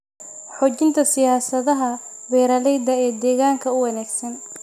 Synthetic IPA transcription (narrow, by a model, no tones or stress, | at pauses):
ħɔːt͡ʃɪnt̪ʰɐsɪjaːsɐðɐɦɐ | bɛːɾɐlɛjd̪ɐɛːd̪ɛːɣaːŋkʰɐʊwɐnaːɡsɐn